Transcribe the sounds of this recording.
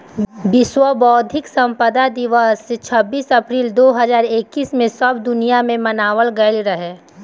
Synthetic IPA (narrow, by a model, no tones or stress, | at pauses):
bɪswəbɔːd̪ʱɪksɐ̃mpəd̪ad̪ɪʋəset͡ʃʰɐbːiːsɐpɾiːld̪oːɦɐzaːɾeːkːiːsmẽsɐb̚d̪ʊnijamẽmɐnaːʋəlɡəlɾɐɦeː